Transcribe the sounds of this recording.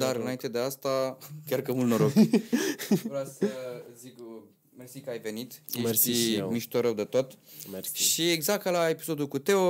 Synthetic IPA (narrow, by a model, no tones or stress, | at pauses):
d̪aɾɨnaint̪e̞d̪e̞ast̪akʲarkəmult̪noɾoɡ | vɾoasəɨzik | mersikəajve̞nit̪msimiʃt̪o̞ɾəwd̪et̪ot̪ʃieɡzakt̪lae̞pi̥so̞d̪ulkut̪e̞o